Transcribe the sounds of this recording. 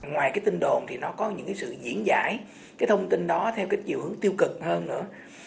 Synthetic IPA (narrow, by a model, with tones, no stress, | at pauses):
ŋwaː˨˩jkaː˨˦jt̪i˧ŋɗo˨˩nt̪ʰi˨˩nɔ˨˦kɔ˨˦ɲɨ̰˧˥ŋkaː˨˦jsɨ̰˧˨zḭ˧˥ənza̰ː˧˩j | kaː˨˦jt̪ʰə˧wŋ͡mt̪i˧nɗɔ˨˦t̪ʰɛ˧wkaː˨˦jt͡ɕḭ˨˩əwhɨ˨˦əŋt̪i˧əwkɨ˨˩k̚həː˧nːɨ̰˧˥ə